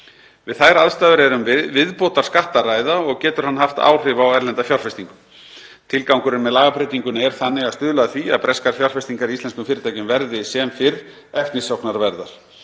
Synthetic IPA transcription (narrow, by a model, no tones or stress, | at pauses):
vɪðθajɾaðst̪aːvʏɾɛɾʏmvɪvɪðpoːt̪aɾ̥skaht̪aɾaːjðaɔɣcɛːt̪ʏɾhanːɦaft̪a̰ːwr̥ɪvawɛɾlɛnt̪afjawr̥fɛst̪iŋkʏ | t̪ʰɪlkawŋkʏɾɪnmɛðlaːɣapɾejt̪iŋkʏnɛɾ̥θanːɪɣaðst̪ʏːðlaðaθvia̰ðpɾɛskaɾ̥fjawr̥fɛst̪iŋkaɾiist̪ɛnskʏmfɪːɾɪt̪ajcʏmvɛɾðɪsɛmfɪɾ | ɛft̪nɪsowknaɾvɛɾða̰ɾ̥